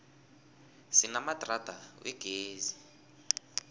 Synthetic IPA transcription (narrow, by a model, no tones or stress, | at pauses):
sinamad̥rad̥ʱawɛɡ̥ʱeːzi